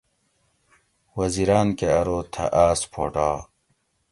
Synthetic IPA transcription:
wɐziɾaːnkeɐɾoːt̪ʰɐ̰ʔaːspʰo̰ːʈaː

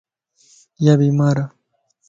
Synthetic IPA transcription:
jaβimaɾa

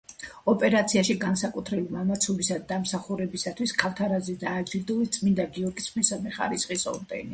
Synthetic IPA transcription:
ɔpʼɛɾat̪sʰiaʃiɡansakʼut̪ʰɾɛbimamat̪sʰɔbisad̪d̪amsaχuɾɛbisat̪ʰwiskʰalˠt̪ʰaɾazɛd̪aːd͡ʒiɾd̪ulit̪sʼmind̪aɡiɔɾɡit̪sʰχnɛsamɛχa̰ɾisχʼisɔ̰ɾd̪ɛ̰ni

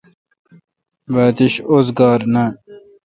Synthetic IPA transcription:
ʋaːt̪iɕoːzɡɑːɾna

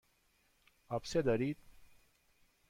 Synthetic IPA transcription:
apsed̪əɾiːt̪̚

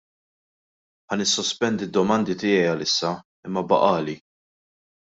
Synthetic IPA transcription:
ħɐnɪsːɔspɛnd̪id̪ːɔmɐnd̪it̪ɪːjɛjɐlɪsːɐ | ɪmːɐbɐ̰ʔɐːli

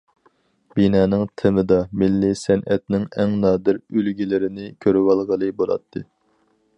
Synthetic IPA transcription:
binɑːnɨŋt̪ʰɪmɨd̪ɑmɪlːisɛnʔɛt̪̚nɪŋɛŋnɑːd̪ɪɾølɡʲilɪɾɪnɪkʲʰøɾwɑlˠʁəlˠɨbolˠɑ̰t̪ʰːɨ

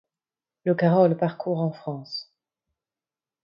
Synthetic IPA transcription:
ləkaʁɔlpaʁkʰuʁɑ̃fχɑ̃s

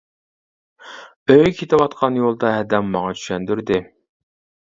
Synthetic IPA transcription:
øjkʲʰet̪ʰɪwɑt̪qʰɑnjolˠd̪ɑɦɛd̪ɛmːɑŋɑt͡ʃʰy̥ʃɛnd̪yɾd̪ɪ

